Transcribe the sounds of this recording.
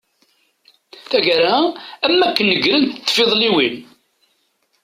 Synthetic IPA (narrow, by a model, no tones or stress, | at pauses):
θæʝæɾaæmːækːənːəɡɾənt̪ːfːeðˤliwin